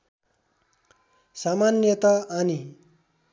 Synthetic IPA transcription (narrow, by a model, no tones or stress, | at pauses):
samanjʌt̪aani